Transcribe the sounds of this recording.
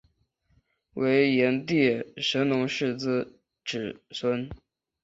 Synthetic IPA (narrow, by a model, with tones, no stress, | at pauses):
wʔe˧˥ɪjɛ˧˥nt̪jɛ˥˩ʂə˧˥nnʊ˧˥ŋʂɻ̩˥˧t͡sɹ̩˥ | ʈ͡ʂɻ̩˨˩swə˥n